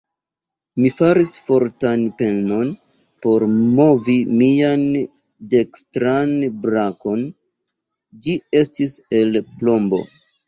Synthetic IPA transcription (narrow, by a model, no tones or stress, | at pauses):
mifaɾisfo̞ɾtanpe̞no̞n | po̞ɾmo̞vimian | de̞kstɾanbɾako̞n | d͡ʒie̞stise̞lplo̞mbo̞̰